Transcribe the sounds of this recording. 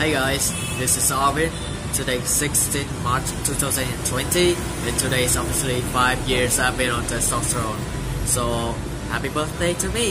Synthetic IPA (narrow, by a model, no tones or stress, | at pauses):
heɪɡaɪz | ðɪsɨzɔɹviə̃n | tʰɨdeɪsɪkstĩnθmaɹt͡ʃtʰuθaʊzə̃nɨ̃ntʰw̥ɛ̃nti | ɨ̃ntʰɨdeɪzɔbviəslifaɪvjɪɹzaɪvbɪ̃nə̃nðəsɔɹõʊ̃n | soʊ | hæpibɜ˞θdeɪtʰɨmi